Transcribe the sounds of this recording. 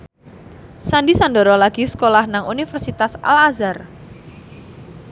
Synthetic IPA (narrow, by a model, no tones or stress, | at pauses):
sandisandɔɾɔlaɡ̥iskolahnaŋunifərsit̪asa̰lazar